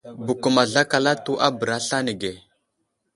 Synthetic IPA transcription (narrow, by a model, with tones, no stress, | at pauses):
bu˨ku˨ma˨ɮa˦ka˨la˦tu˦ʔa˦bə˨ɾa˦ɬa˦ni˨ɡe˨